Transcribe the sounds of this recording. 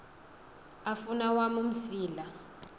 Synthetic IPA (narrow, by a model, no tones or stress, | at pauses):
afunawamum̩siːla